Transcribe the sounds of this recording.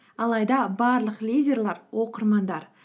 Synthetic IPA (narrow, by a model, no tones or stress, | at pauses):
ɑlˠɑjd̪ɑbɑɾlˠəqlʲijdʲe̞rlˠɑɾwo̞qəɾmɑnd̪ɑɾ